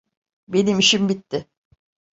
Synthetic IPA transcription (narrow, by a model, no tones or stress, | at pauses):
be̞nimiʃimbit̪ːɪ